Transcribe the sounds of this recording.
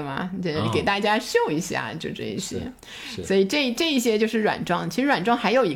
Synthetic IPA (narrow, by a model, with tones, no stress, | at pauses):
mɐ̰˩ə˥˩kke˨˩ɪt̪a˥˩t͡ɕja˥ɕjo˥˩ʊi˧˥ɕja̰˥˩t͡ɕjo˥˧ʊʈ͡ʂɤ̰˥˧˩ḭ˥˩ɕjɛ̰˥ | swɔ˧˥i˨˩ʈ͡ʂɤ˥˧i˥˩ʈ͡ʂɤ˥˩˧i˥˩ɕ̬jɛ˥t͡ɕjo˥˧ʂɻ̩˥˩ɻwa̰˨˩nʈ͡ʂwɑ˥˩˧ŋt͡ɕʰi˧˥ʂɻ̩˧˥wa˨˩nʈ͡ʂwɑ˥˧ŋxa˧˥ɪjo˨˩ʊi˧˥